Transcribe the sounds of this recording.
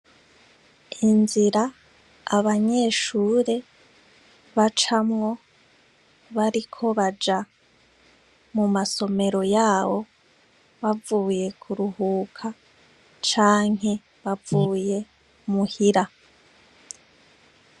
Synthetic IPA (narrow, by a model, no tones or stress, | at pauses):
inziɾaː | βaɲe̞ːʃuːɾe̞ | βat͡ʃamŋo̞ | βaɾikʰo̞βad͡ʒa | mumaso̞me̞ɾo̞jaːβo̞ | βavuːje̞kʰuɾuhuːkʰa | t͡ʃaːŋ̥e̞ | βavuːje̞ | muhiɾa